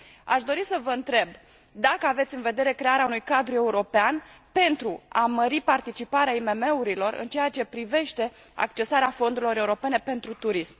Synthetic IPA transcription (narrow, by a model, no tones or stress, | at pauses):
a̰ʃd̪o̞ɾisəvəɨnt̪ɾe̞b | d̪akəave̞t̪sʲɨnve̞d̪e̞ɾe̞kɾe̞aɾeaunujkad̪ɾue̞uɾo̞pean | pe̞nt̪ɾuaməɾipart̪it͡ʃipaɾeaime̞me̞uɾilo̞rɨ̰nt͡ʃe̞jat͡ʃe̞pɾive̞ʃt̪e̞a̰kt͡ʃe̞saɾeafo̞nd̪uɾilo̞ɾe̞uɾo̞pe̞ne̞pe̞nt̪ɾut̪uɾism